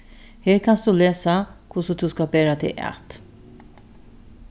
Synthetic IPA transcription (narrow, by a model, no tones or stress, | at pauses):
hɛːɾkʰansd̪ʉlɛːsakʰʊsəd̪ʰuskabɛːɾat̪ʰɪ̰ʔa̰t̪